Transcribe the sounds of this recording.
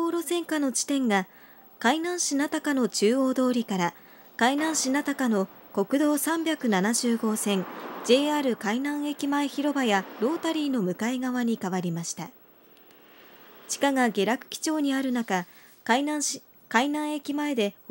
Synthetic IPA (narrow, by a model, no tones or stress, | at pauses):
oːɾo̞sẽ̞ŋkano̞t͡ɕi̥t̪ẽ̞ŋɡa | kainãɰ̃ɕinat̪akano̞t͡ɕɨːo̞ːd̪o̞ːɾʲikaɾa | kainãɰ̃ɕinat̪akano̞ | ko̞kɯ̟d̪o̞ːsãmbʲakɯ̟nanaʑɨːɡo̞ːsẽ̞ŋd͡ʑe̞ːaːɾɯ̟kainãɰ̃e̞kʲimae̞çiɾo̞bajaɾo̞ːt̪aɾʲiːno̞mɯ̟kaeɡaβaɲ̟ikaβaɾʲimaɕi̥t̪a̰ | t͡ɕi̥kaɡaɡe̞ɾakɯ̟̥kʲi̥t͡ɕo̞ːɲ̟iaɾɯ̟naka | kainã | kainãɰ̃e̞kʲimae̞d̪e̞